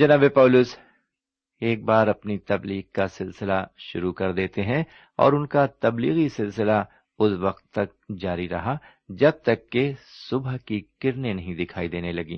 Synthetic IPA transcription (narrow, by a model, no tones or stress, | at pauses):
d͡ʒɐnaːbepaːlʊs | eːk̚baːɾɐpnit̪ɐbliːɡkasɪlsɪlaʃʊɾukɐɾd̪eːt̪eɦɛ̃ | ɔ̰ːɾʊnkat̪ɐbliːɣisɪlsɪla | ʊsʋɐqt̪ːɐk̚d͡ʒaːɾiɾɐɦa | d͡ʒɐb̚t̪ɐkːesʊbʱəɦkikɪɾnenɐɦĩd̪ɪkʰaːid̪eːnelɐɡḭː